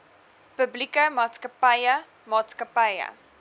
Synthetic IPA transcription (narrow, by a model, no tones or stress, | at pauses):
pəblikəmɑːtskəpɐjə | mɑːtskəpɐjə̰